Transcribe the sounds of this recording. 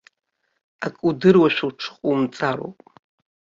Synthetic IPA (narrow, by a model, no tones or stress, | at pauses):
akʼudɨrwaʃʷᶣawʈ͡ʂʰχʼumt͡sʼaɾo̰wpʼ